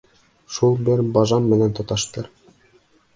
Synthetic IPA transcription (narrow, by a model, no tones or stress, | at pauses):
ʃulˠbɘɾbɑʒɑmːɘ̆nænt̪ŏt̪ɑʃt̪ɤɾ